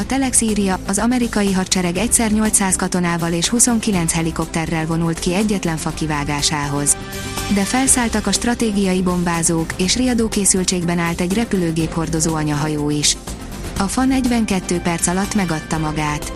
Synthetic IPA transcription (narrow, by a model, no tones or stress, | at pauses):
ɒt̪ɛlɛksiːɾijɒɒzɒmɛɾikɒjiɦɒrt͡ʃɛɾɛɡɛcsɛrɲo̞lt̪saːskɒt̪o̞naːvɒleːʃhuso̞ŋkilɛnt̪shɛliko̞p̚t̪ɛrːɛlvo̞nult̪kiɛɟːɛt̪lɛɱfɒkivaːɡaːʃaːɦo̞z | d̪ɛfɛlsaːlt̪ɒkɒʃt̪rɒt̪eːɡijɒjibo̞mbaːzoːkeːʃrijɒd̪oːkeːsylt͡ʃeːɡbɛnaːlt̪ɛɟrɛpyløːɡeːpho̞rd̪o̞zoːɒɲɒɦɒjoːiʃ | ɒfɒnɛɟvɛŋkɛt̪ːøːpɛrt̪sɒlɒt̪ːmɛɡɒt̪ːɒmɒɡaːt̪